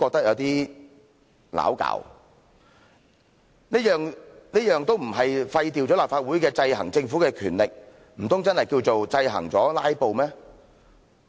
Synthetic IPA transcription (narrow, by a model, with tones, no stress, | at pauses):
kɔː˧k̚t̪ɐ˥k̚jɐ˨˧wt̪iː˥ | la̰ː˨˥wka̰ː˧˥w | niː˥jœː˨ŋniː˥jœː˨ŋt̪o˥wm̩˨˩ɦɐ˨jfɐ˧jt̪̬iː˨˩wt͡ɕɔ˨˥laː˨pfaː˧t̚wuː˨˥jkɛː˧t͡sɐ˧jhɐ̰˨˩ŋt͡sɪ˧ŋfuː˨˥kɛː˧kʰyː˨˩nlɪ˨k̚ | m̩˨˩t̪ʊ˥ŋt͡sɐ˥nhɐ˨jkiː˧wt͡so˨wt͡sɐ˧jɦɐ̰˨˩ŋt͡sɔː˨˥laː˥jpo˨wmɛː˥